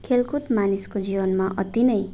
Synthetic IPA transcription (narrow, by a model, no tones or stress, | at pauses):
kʰelkut̪maniskod͡zibʌnmaʔʌt̪inʌj